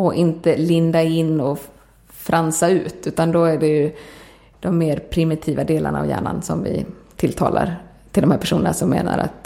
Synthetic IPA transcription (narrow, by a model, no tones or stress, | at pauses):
ɔʔɪnt̪əlɪnd̪aɪnːɔ | fɾʔansaʉ̟ːt̪ʉ̟ːt̪and̪ɔæɖɛjɵ | d̪̥ɔmːeːɾpʰɾɪmɪt̪ʰiːvad̪eːlʔaɳaːvjæ̰ːɳansɔmvɪ̰t̪ʰɪlt̪ʰɑ̰ːla̰ɾ | t̪ʰɪlɔmhæːɾpʰæʂuːnənasɔmːḛːna̰ɾa̰t̪